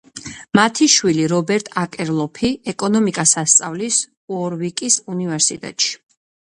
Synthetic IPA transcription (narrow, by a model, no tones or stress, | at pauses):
mat̪ʰiʃwiliɾɔbɛɾt̪ʼakʼɛɾlˠɔpʰiɛkʼɔnɔmikʼasast̪sʼavlis | ɔɾvikʼisunivɛɾsit̪ʼɛ̰t̪ʼʃi̥